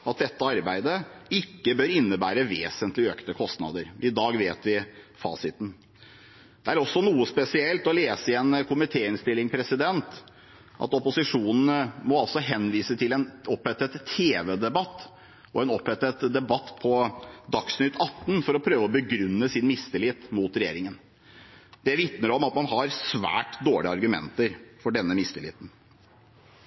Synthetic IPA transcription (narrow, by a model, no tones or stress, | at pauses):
ɑt̪̚d̪ɛt̪ːəɑɾbæɪd̪əɪkːəbøɾɪnːəbæːɾəʋeːsənt̪lɪøːkt̪əkʰɔst̪nɑ̰d̪əɾɪd̪ɑːɡʋeːt̪ʋɪfɑ̰ːsɪt̪n̩ | d̪̥ɛæɾɔsːɔnuːəspɛsɪɛlt̪ɔleːsəɪɛnkʰʊmɪt̪ʰeːɪnst̪ɪlːɪŋpʰɾɛsɪd̪ɛnt̪ | ʔɑ̰t̪ɔpʊsɪʂuːnn̩əmɔɑlsɔɦɛnʋiːsət̪ʰɪlɛnɔphɛt̪ːət̪ʰːeːʋɛd̪ɛbɑt̪ː | ɔɛnɔpɛt̪ːət̪d̪ɛbɑt̪ːpʰɔd̪ɑksnʏt̪ʰɑt̪ːn̩fɔɾɔpʰɾøːʋəɔbəɡɾʉnːəsɪnmɪst̪ɪlɪt̪muːt̪ɾɛjḛːɾɪŋən | d̪ɛʋɪt̪nəɾɔmɑt̪mɑnɦɑɾsʋæ̰ːʈd̪oːɭɪɑ̰ɾɡʉmɛ̰nt̪əɾfɔɖɛnːəmɪst̪ɪlɪ̰t̪n